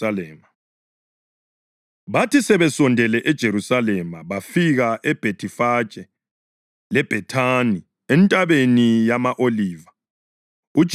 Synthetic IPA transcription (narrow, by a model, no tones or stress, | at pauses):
alɛːma | βatʰisɛβɛsɔndʱɛlɛʔɛd̥ʒ̥ʱeɾusalɛmaβafiɣaʔɛb̥ʱetʰʼifḁt͡ʃʼɛ | lɛb̥ʱɛtʰani | ɛntʼaβenijamaʔoliːva | u̥ʒ̥ʱ